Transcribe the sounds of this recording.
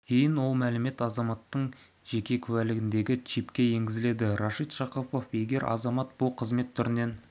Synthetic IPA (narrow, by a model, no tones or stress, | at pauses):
kʲʰe̞jɪnwo̞lˠmælɪme̞t̪ɑzɑmɑt̪ːəɴ | ʒ̥e̞kʲe̞kʲʰʉælɪɡʲɪnd̪e̞ɡʲɪt͡ʃʰipkʲe̞je̞ŋɡʲɪzɪle̞d̪ɪɾoʃit̪ʃɑqəpo̞fje̞ɡʲe̞ɾɑ̰zɑmɑt̪̚b̥ʊlˠqʰəzme̞t̪ʰːʏɾɪne̞n